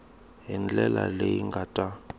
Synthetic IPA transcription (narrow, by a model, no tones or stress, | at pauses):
ɦind͡ɮɛla̰lejiŋɡʱatʼa